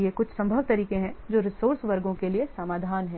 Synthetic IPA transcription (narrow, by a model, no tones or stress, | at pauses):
ekʊt͡ʃʰsɐ̃mbʱəʋt̪ɐɾiːkẽɦɛ̃d͡ʒoːɾɪsoːɾsʋɐɾɡõkeliesamaːd̪ʱaːnɦɛ̃ː